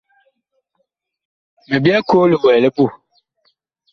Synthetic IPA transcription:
me˨bi˦a˦ko˦lɪ˨wɛ˨lɪ˦pu˦˨

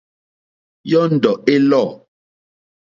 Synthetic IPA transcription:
jɔ˦n̩˨dɔ˨ʔe˦lɔ˦˨

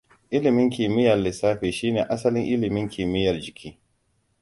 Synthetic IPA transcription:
ʔɪ˦lɪ˨mɪ˦ŋkʲiː˨mɪ˦jɐ˨rlɪ˨saː˦ɸeː˨ʃiː˦neː˨ʔa˦sɐ˦lɪ˦ŋʔɪ˦lɪ˨mɪ˦ŋkʲʰiː˨mɪ˦jɐ˨rd͡ʒɪ˨kʲiː˦

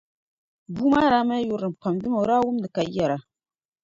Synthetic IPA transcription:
bu˦ma˦ɾa˦ma˦ju˦ɾɨ˨m˨pa˨mdi˦ma˨˦ɾa˦wu˦m˦nɨ˨ka˨i˦ja˨ɾa˨

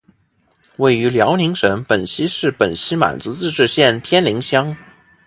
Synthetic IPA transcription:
we˥˩ɪy˧˥ljɑ˧˥ʊni˧˥ŋʂə˧˥npə˨˩nɕi˥ʂɻ̩˥˩pə˨˩nɕi˥ma̰˨˩nt͡sɹ̩˧˥t͡sɹ̩˥˧ʈ͡ʂɻ̩˥˧ɕjɛ˥˩npʰjɛ˥nli˧˥ŋɕjɑ˥ŋ

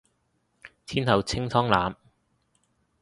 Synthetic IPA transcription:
t̪ʰiː˥nt̪ʰɐ˨wt͡sʰɪ˥ŋt͡sʰɔː˥ŋlaː˨˧m

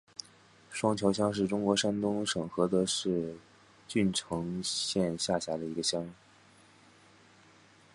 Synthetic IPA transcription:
ʂwɑ˥ŋt͡ɕʰjɑ˧˥ʊɕ̬jɑ˥ŋʂɻ̩˥˩ʈ͡ʂʊ˥ŋkwɔ˧˥ʂa˥nt̪ʊ˥ŋʂɤ˨˩ŋxɤ˧˥t̪ɤ˧˥ʂɻ̩˥˧ | t͡ɕy˥˩nʈ͡ʂʰɤ˧˥ŋɕjɛ˥˧nɕja˥˩ɕja˧˥d̪ə˧i˧˥ɡə˧ɕjɑ˥ŋ

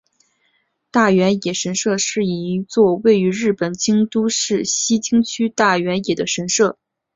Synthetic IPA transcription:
t̪a˥˩ɥɛ˧˥njɛ˨˩ʂə˧˥nʂɤ˥˧ʂɻ̩˥˩i˨˩˧t͡swɔ˥˧we˥˩ɪy˧˥ɻɻ̩˥˩pə˨˩nt͡ɕi˥ŋt̪u˥ʂɻ̩˥˩ɕi˥t͡ɕi˥ŋt͡ɕʰy˥t̪a˥˩ɥɛ˧˥njɛ˨˩d̪ə˦ʂə˧˥nʂɤ˥˩

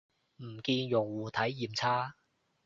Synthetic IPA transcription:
m̩˨˩kiː˧njʊ˨˩ŋwuː˨˩t̪ʰɐ˨˥jːiː˨mt͡sʰaː˥

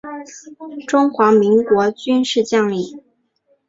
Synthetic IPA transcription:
ʈ͡ʂʊ˥ŋxwa˧˥mi˧˥ŋkwɔ˧˥t͡ɕy˥nʂɻ̩˥˧t͡ɕjɑ˥˧ŋli˥˩

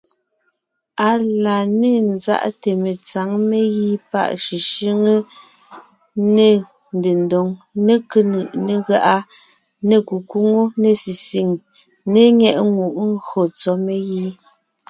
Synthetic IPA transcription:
a˨la˨ne˦˨n̩za̰˦ʔte˨me˨t͡sa˨˦ŋme˦ɣi˦pa̰˦ʔʃi˨ʃi˦ŋə˦ | ne˦˨ | n˨de˨ndo˨ŋne˦kə˦nɯ˨ʔne˦ɣa˦ʔa˦ | ne˨ku˨ku˦ŋo˦ne˨si˨si˨ŋ | ne˦ŋɛ˦˨ʔŋu˨ʔŋ̩˦ɣɰo˨t͡sɔ˦me˦ɣi˦

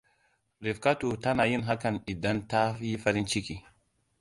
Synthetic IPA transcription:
ɾi˨fka˦tu˨ta˦na˨ji˦nɦa˦ka˨ni˨da˦nta˦i˦fa˦ɾi˦nt͡ʃi˦ki˨

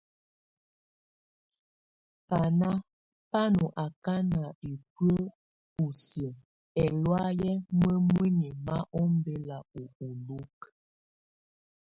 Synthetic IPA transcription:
pa˨na˦ | pa˦nu˨ʔa˨ka˦na˨e˨pɥə˦ | u˨sjə˨ | ɛ˨lwa˦jɛ˦mwe˦mwi˦ni˨ma˦ʔɔ˦m˦be˦la˨u˨u˨lu˦k

